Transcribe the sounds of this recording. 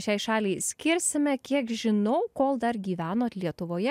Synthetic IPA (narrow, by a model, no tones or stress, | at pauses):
ʃʲɛɪʃɑːlʲɛɪsʲkʲɪɾʲsʲɪmʲɛkʲiɛkʒʲɪnɐʊkoːlˠd̪ɐɾɡʲiːʋʲæːnoːt̪lʲiɛt̪ʊʋoːjɛ